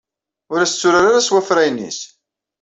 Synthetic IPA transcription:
ʊɾæst͡sːʊɾaɾaɾaswæfɾæjnːḭs

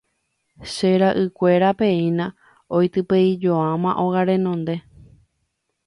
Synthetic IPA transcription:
ʃeɾaʔɨkʷe̞ɾapẽ̞ĩnã | ojt̪ɨpeid͡ʒo̞ãmãʔo̞ɣaɾẽ̞nõ̞nd̪e̞

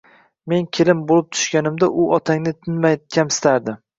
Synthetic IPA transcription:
me̞nkʲʰelɪmbolˠɪp̚t̪ʰʊ̥ʃkʲanɪmd̪aʔʊʔɒt̪ʰaŋnɪt̪ʰɪnmajkʲʰamsɪ̥t̪ʰaɾd̪ɪ

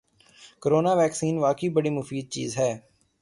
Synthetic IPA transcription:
kəɾoːnaːʋɛːksiːnʋaːkiːbəɽiːmʊfiːd̪̚t͡ʃḭːzɦɛː

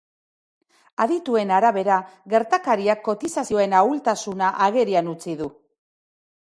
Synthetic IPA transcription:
aðit̪ue̞naɾaβe̞ɾaɣe̞ɾt̪akaɾiakːo̞t̪isasio̞e̞nault̪asunaʔaɣe̞ɾianut͡siðu

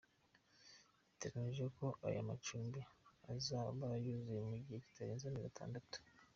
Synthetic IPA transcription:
ite̞ɡaniʒeko̞ʔa̰ja̰mat͡ʃuːmbiazaβajuzijemuɟiheci̥tʰaɾeːnzaniɡatʰa̰ːndatu̥

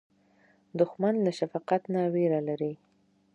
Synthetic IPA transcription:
d̪ʊxmanlaʃafɑqat̪naweɾalaɾi

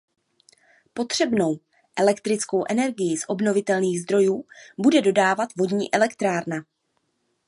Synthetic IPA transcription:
po̞t̪r̝̥ɛbno̞w | ʔɛlɛkt̪ɾɪt͡sko̞wʔɛnɛɾɡɪjɪsʔo̞bno̞vɪt̪ɛlniːɣzd̪ɾo̞juːbudɛdo̞daːvat̪vo̞dɲiːʔɛlɛkt̪ɾaːɾna

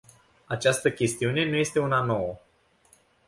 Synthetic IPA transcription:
at͡ʃast̪əkʲe̞st̪iune̞nuje̞st̪e̞unano̞wə

